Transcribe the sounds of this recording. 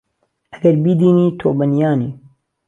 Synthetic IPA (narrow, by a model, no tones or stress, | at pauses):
ʔɐɡɐɾbid̪iːniːt̪ʰoːbɐnjaːniː